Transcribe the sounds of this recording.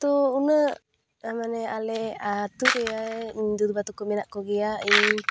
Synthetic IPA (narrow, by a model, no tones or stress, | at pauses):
t̪uunə | amanealɛat̪uɾeaed̪ud̪ubat̪ukuminaʔkoɡiaʔi